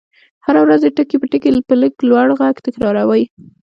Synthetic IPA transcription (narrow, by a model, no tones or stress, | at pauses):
haɾawɾazd̪eʈəkepəʈəkelpələɡlwaɽɣaɡt̪ɪkɾɑɾawəj